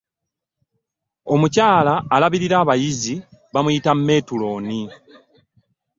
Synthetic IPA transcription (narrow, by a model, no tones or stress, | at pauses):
o̞mucaːlaːlaβiɾiɾaːβajiziβamujitamme̞ːtulo̞ːni